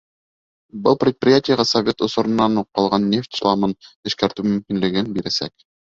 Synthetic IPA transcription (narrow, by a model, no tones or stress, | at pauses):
bɤlˠprʲɪt̪̚prʲɪjatʲɪjəʁɑsɐvʲe̞t̪ŏsŏɾɤ̆nːɑnuqːɑlˠʁɑnːʲe̞ft̪ʲslˠɑmɤnɘ̆ʃkæɾt̪ʉmɵ̆mkinlɘ̆ɡɘnbiɾæsæ̰k